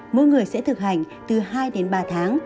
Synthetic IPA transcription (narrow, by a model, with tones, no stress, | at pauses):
mu˧ŋɨ˨˩əjsɛ̰˧˥t̪ʰɨ˨˩k̚ha˧˩jŋ̟ | t̪ɨ˨˩ɦaː˧jɗe˨˦nɓaː˨˩t̪ʰaː˨˦ŋ